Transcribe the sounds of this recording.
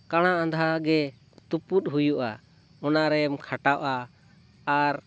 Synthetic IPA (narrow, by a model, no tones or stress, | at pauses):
kaɽ̃aʔãnd̪ʱaɡɛ | t̪uput̪̚ɦujuʔa̰ | ɔnaʔɾɛmkʰaʈawʔaː | ɾ